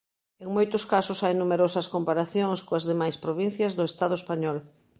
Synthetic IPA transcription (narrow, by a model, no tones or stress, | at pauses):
eŋmojt̪ʊskasʊsajnumeɾɔsɐskompaɾaθjoŋskoɐzðemajspɾoβin̟θjɐzðʊest̪að̞ʊespaɲɔl